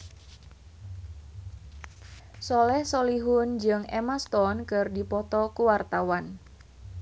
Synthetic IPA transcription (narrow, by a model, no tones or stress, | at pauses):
sɔlɛhsɔliɦʊnd͡ʒɨŋemast̪ɔnkɨrdipɔt̪ɔkuwart̪awan